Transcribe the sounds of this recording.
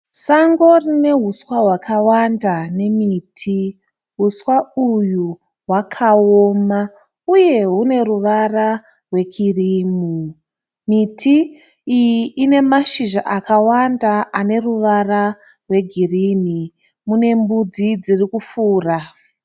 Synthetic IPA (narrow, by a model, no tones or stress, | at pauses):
saŋɡo̞rine̞ɦuswaɦwakʰawandane̞miːtʰi | ɦuswauju | ɦwakʰaoːma | uje̞ɦune̞ruʋara | rwe̞ɡʰiriːmu | mitʰi | ijiʔːne̞maʃiʒaʔakawandaʔane̞ruʋara | rwe̞ɡʱiriːni | mune̞mbud͡zid͡zirikufuːra